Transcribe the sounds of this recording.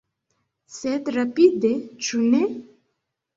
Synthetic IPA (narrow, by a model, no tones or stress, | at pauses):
set̪ɾɐpid̪et͡ʃʰune